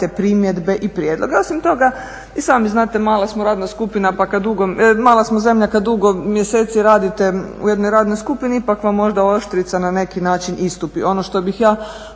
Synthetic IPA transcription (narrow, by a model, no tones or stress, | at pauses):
t̪epɾimje̞d̪be̞ʔipɾjed̪lˠo̞ɡeo̞simt̪o̞ɡa | isaːmiznaːt̪emaːlˠasmoɾaːd̪naskupinapakad̪d̪uɡomaːlˠasmoze̞mʎakad̪d̪uɡo̞mjeseːt̪siɾaːd̪it̪eṵjed̪nojɾaːd̪nojskupiniipakʋamːo̞ʒd̪ao̞ʃt̪ɾit̪sanane̞kinaːt͡ʃinist̪upiʔo̞no̞ʃt̪o̞bixjaː